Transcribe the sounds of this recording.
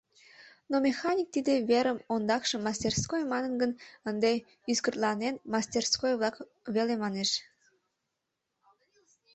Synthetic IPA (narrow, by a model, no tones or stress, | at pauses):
nomʲexɑnʲik̚t̪id̪eβeɾəmond̪ɑkʃəmːɑst̪ʲerskojmɑnənɡənənd̪e | yskərt̪lɑnenmɑst̪ʲerskojβlɑk | βelemɑneʃ